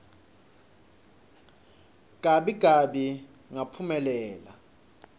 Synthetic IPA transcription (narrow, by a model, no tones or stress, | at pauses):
ɡ̥ʱaɓiɡ̥ʱaɓi | ŋapʰumɛlɛːla